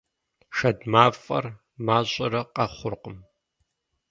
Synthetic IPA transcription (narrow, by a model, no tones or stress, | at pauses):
ʃɐdmaːfʼɐ̰r | maːɕʼɪɾɐqɐχʷʊrqəm